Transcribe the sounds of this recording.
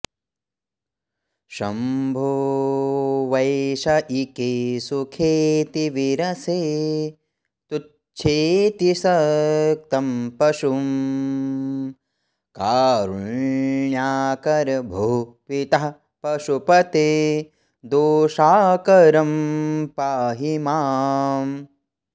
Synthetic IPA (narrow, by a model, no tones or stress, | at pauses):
ʃɐ̰mbʱo | ʋɐjʃɐʔikeːsukʰeːt̪iʋiɾɐseː | t̪u | t͡ʃʰeːt̪isɐk̚t̪ɐmpɐʃum | kaːɾuɳjaːkɐɾbʱuːpit̪ɐɦ | pɐʃupɐt̪eː | d̪oːʃaːkɐɾɐmpaːɦimaːm